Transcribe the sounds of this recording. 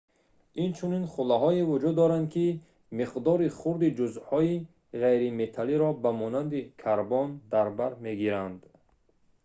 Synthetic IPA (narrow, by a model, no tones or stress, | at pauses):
int͡ʃʰuninχulːaɦɔevud͡ʒud̪ːɔɾand̪̚kʰi | miqd̪ɔɾiχuɾd̪id͡ʒuzhɔi | ʁejɾime̞t̪ʰaliɾɔbamɔnand̪ikʰaɾbɔnd̪aɾbaɾme̞ɡiɾand̪